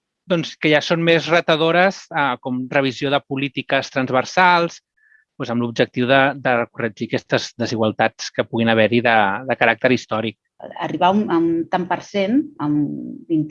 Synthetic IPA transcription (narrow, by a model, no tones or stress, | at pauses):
d̪ɔnskəʒasonmezrət̪əðoɾəskɔmrəβ̞izioðəpulit̪ikəst̪ɾənzβəɾsalˠs | pwezəmlub̚d͡ʒək̚t̪iwðəd̪ərəkurəd͡ʒikɛst̪əzd̪əziɣwəlˠt̪at͡skəpuɣinəβ̞ɛɾiðəðəkəɾak̚t̪əɾist̪ɔɾik̚ | ə̰riβaunət̪ampəɾsenəmbint̪